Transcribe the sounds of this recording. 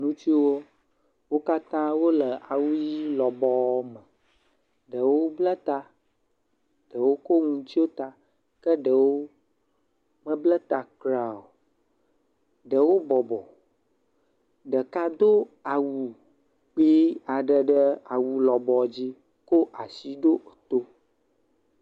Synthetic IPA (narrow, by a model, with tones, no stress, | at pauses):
nũ˦t͡ʃi˦wo˦ | wo˦ka˦t̪ã˦wo˦lə˨ʔa˨wu˦ji˦lɔ˨bɔ˦mə˨ | ɖə˨woo˦blə˦t̪a˦ | ɖ̥ə˨wo˦ko˦ŋũ˨˦t͡ɕi˦wo˦t̪a˨ | kə˦ɖə˨wo˦ | mə˦blə˦t̪a˨kɾa˨o˨ | ɖə˨wo˦bɔ˨bɔ˨ | ɖə˨ka˦d̪o˦a˨wu˨ | k͡pi˦a˨ɖə˨ɖə˦a˨wu˨lɔ˨bɔ˨d͡ʑi˦ | ko˦ʔa˨si˦ɖo˦˨t̪o˦